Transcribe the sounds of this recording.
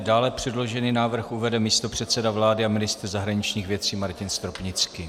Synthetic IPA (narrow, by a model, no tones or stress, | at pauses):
daːlɛpr̝̥ɛdlo̞ʒɛninaːvr̩xʔuvɛdɛmiːst̪o̞pr̝̥ɛt̪t͡sɛdavlaːdɪamɪnɪst̪rzaɦɾaɲɪt͡ʃɲiːxvjɛt͡siːmaɾcɪnst̪ɾopɲɪt͡ski